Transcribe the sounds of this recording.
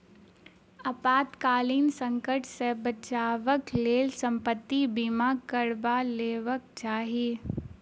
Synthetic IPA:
ɐpaːt̪kaːliːnsə̃ŋkəʈʰsebət͡ʃaːʋəkleːlsə̃mpət̪ːibimaːɡkəɾbaleːʋək̚t͡ʃaːɦieː

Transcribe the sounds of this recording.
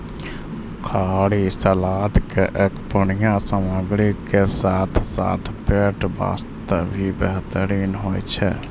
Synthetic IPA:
kʰaɽisəlad̪keʔekpənijãsəməɡɾikesat̪ʰsa̰t̪ʰpeʈba̰st̪əbʱibɛɦt̪əɾiːnɦojt͡ʃʰɛ̰

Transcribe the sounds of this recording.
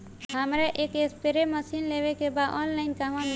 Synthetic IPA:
ɦəmɾeʔeːkespeɾeməsiːnleːʋekebaːd̪ɔːnlaɪnkamãm

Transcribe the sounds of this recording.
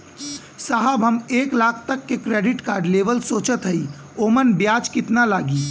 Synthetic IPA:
saɦəbɦəmeːklaːkʰt̪əkːekɾeːɖɪʈkaːɾɖleːʋəlsoːt͡ʃət̪ɦəi | oːmənbjaːt͡ʃkɪt̪nalaːɡiː

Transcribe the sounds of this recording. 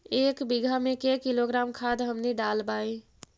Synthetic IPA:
eːkbiɡʱamẽkekiloɡɾaːmkʰad̪ɦəmniɖaːlbaːe

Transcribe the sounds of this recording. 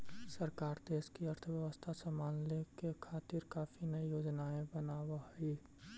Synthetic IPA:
səɾkaːɾd̪eːskiɐɾt̪ʰəʋjəʋəst̪ʰasəmaːnlekekʰaːt̪iɾkaːfinɐijoːd͡ʒnaːẽbənaːwaɦi

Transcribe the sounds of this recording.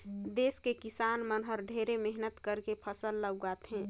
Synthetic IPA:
d̪eːskekɪsaːnmənɦəɾɖʱeːɾemɛɦnət̪kəɾkepʰəsəlːəɡɡaːt̪ɦɛ̃ː

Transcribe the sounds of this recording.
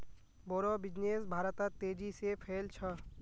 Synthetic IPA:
bɔɾɔbid͡ʑnesbʱaɾt̪at̪ed͡ʑisepʰelt͡ɕʰɔ

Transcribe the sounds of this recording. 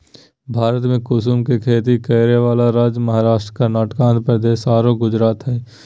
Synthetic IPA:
bʱaːɾət̪mẽkʊs̬umkekʰeːt̪ikɐːɾeʋaːlaɾaːd͡ʒmɐɦaːɾaːʃʈɾkanaːʈkãːnt̪pɾəd̪eːʃaːɾoɡʊd͡ʒɾaːt̪ɦɛː

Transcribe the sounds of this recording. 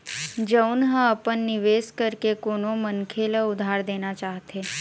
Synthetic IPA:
d͡ʒəʊnɦə̃ɐpənːɪʋeːskəɾkekoːnomənkʰeləʊd̪ʱaːɾd̪eːnat͡ʃaːɦt̪eː

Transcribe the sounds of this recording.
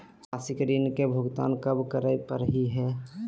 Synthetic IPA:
asikɾinkebʱʊɡt̪a̰ːnkəbkəɾəpəɾɦiɦɛ

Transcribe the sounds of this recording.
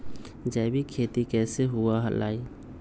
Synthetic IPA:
d͡ʒaːbʱikʰeːt̪ikɛːseɦuaɦə̰la̰ːi

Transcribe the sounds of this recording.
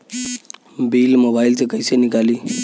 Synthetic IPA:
biːlmobailtekəjsenikaliː

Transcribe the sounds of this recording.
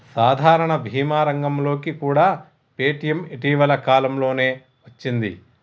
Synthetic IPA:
saːd̪ʱaːɾɐɳɐbʱiːmaːɾɐŋɡɐmlo̞ːkikuːɽaː | pe̞ːʈijɐmiʈiːʋɐlɐkaːlɐmlo̞ːne̞ː | ʋɐt͡ʃːind̪ḭ

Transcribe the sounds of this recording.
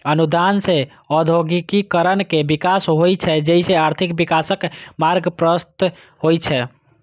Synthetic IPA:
ənud̪anse | ɔd̪ʱoɡikikəɾənkebikasɦojt͡ʃʰɛd͡ʒɛiseaɾt̪ʰikbikasəkmaɾɡpɾəst̪ | hojt͡ʃʰɛ

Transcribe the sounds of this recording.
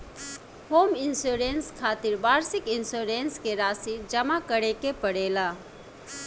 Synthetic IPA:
hoːmɪnsoːɾeːnskʰaːt̪ɪɾbaːɾsɪkɪnsoːɾeːnskeɾaːsiɾd͡ʒɐmakəɽekepəɽeːlaː

